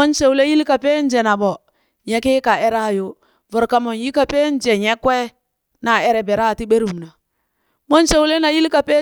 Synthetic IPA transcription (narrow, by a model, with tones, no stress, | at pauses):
o˦nse˨wle˦ji˦lka˨pe˦n˦d͡ʒe˨na˨bɔ˨ | ɲɛ˦ke˦ka˨e˦ɾa˦˨jo˦ | vʊ˨ɾka˨mo˨n˦ji˦ka˨pe˦n˦d͡ʒe˨ɲɛ˦kwe˦ | na˨ɛ˦ɾɛ˨bɛ˨ɾa˦˨ti˦be˦ɾu˨mna˨ | mo˦nse˨wle˦na˨ji˦lka˨pe˦